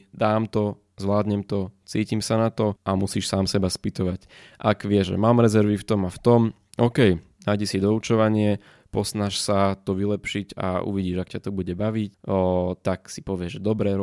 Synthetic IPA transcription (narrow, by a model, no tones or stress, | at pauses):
d̪aːmt̪ɔ | zʋlaːd̪ɲɛmt̪ɔt͡siːcimsanat̪ɔʔamusiːʃsaːmsɛbaspit̪ɔʋac | ʔaɡʋɪɛʒʒɛ̰maːmɾɛzɛɾʋift̪ɔmaft̪ɔm | ɔkɛj | najɟɛsid̪ɔut͡ʃɔʋaɲɪɛ | pɔsnaʃsat̪ɔʋilɛpʃiɟa̰ṵʋiɟiːʒakcat̪ɔbuɟɛbaʋict̪aksi̥pɔʋɪɛʒɛd̪ɔbɾɛ